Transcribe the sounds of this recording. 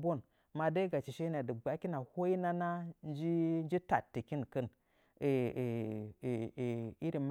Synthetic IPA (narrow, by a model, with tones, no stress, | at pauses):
bo˦˨n | ma˨da˦ɡa˨t͡ʃi˨ʃe˦na˨di˨ɡ͡ba˨˦ki˦na˨ho˦i˦na˦na˦nd͡ʒi˦n˦d͡ʒi˦ta˨tːi˨ki˦nkə˦n˨ | i˦ɾi˨m